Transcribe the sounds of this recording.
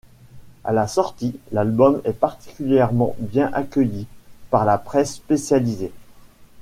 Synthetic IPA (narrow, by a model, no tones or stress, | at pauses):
a̰lasɔʁt̪ilalbɔmɛpaʁt̪i̥kʲyljɛʁmɑ̰̃bjɛ̃ʔakʲœjipaʁlapχɛsːpesjalize